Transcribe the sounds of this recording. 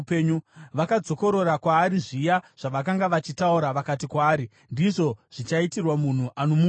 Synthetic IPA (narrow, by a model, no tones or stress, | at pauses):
peɲuʋakad͡zo̞ko̞ɾo̞ɾakwaːɾiʐijaʐ̥aʋakaŋɡaʋat͡ʃitauɾaʋakatikwaːɾi | ndiʐo̞ʐ̥it͡ʃaitirwamun̤uʔanomu